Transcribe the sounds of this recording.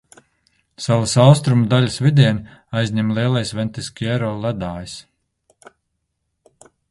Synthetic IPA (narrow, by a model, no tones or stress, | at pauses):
salasawst̪ɾumud̪aʎʲasvid̪ʲɛɛnajzʲɲɛmlˠiɛlˠajsvɛnt̪ʲiskʲɛɾɔːlˠæd̪aːjis